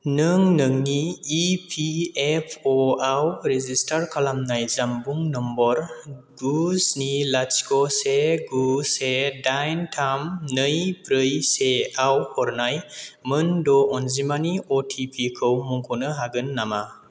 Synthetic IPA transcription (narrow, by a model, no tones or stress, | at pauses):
nɯŋnɯŋniːpʰiepʰɔawɾezistaɾkʰalamnajzambuŋnɔmbɔɾɡ̥uznilasi̥kɔseɡusedajntʰamnɯjbɾɯjseawhɔɾnajmɯndɔɔnzimaniɔtʰipʰikʰɯwmuŋkʰɔnɯɦaɡɯnːama